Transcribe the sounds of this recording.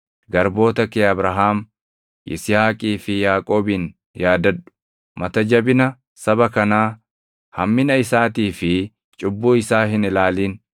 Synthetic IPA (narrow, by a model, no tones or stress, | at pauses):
ɡɐɾbo̞ːt̪ɐkeːɐbɾɐɦaːm | ʔɪ̰sɪjaːkʼiːfɪjaːkʼo̞ːbɪn | jaːd̪ɐᶑʊ̥ | mɐt̪ɐd͡ʒɐbɪnɐ | sɐbɐkɐnaː | hɐmːɪnɐɪsaːt̪iːfɪ | t͡ʃʼʊbːuːɪsaːɦɪnɪlaːliːn